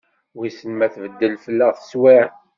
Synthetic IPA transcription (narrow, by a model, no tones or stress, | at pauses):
wisənmæθvəd̪ːəlfəlːəʁθə̥swiʕ